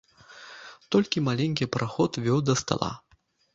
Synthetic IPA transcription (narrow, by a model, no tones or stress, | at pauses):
t̪ɔlʲkʲimalʲenʲkʲipɾʔaxɔt̪vʲɔwd̪ɐst̪a̰lˠa̰